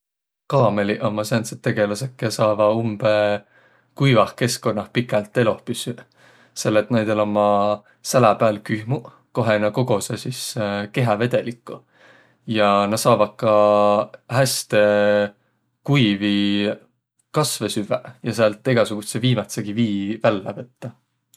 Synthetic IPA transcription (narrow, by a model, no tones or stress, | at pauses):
kɑːme̞liʔomːɑsenset̪ːe̞ɡ̥e̞lusekːˑesɑːvɑumb̥e | kujvɑhke̞sko̞nːɑhpikːˑelt̪ˑːe̞lo̞hpysy | se̞lːet̪ːnæjd̪̥elomːɑ | sælæpæːlkyhmu | ko̞ɦenɑko̞ɡ̥o̞sesiske̞ɦɑve̞d̪̥e̞likːˑu | jɑnɑ̥sɑːvɑt̪̚kɑ | hæst̪e | kujvi | kɑsve̞syvejɑseɑlt̪ːˑeɡ̥ɑsuɡ̥useviːmɑt̪seɡ̥iviːvælːɑvɤt̪ːɑ